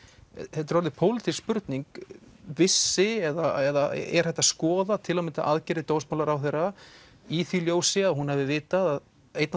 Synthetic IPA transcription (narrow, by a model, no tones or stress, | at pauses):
θɛt̪ɾɔɾðɪpʰowlɪt̪ʰispʏɾt̪niŋkvɪsːɪɛðaɛða̰ɛ̰ɾ̥hɛht̪ːaskɔːðat̪ʰɪlawmɪnt̪aʔaðcɛɾɪt̪oːwsmawlaɾawθejrːa | iθiljoːwsɪaðɦunhavðɪvɪːt̪aðað | ejt̪n